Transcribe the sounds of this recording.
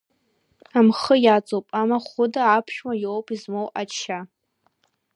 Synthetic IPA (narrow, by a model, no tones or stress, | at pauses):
amχəjat͡sʼowpʼamaχʷʊdaapʰʃᶣwajowpʰʼizmowʔat͡ʃʰa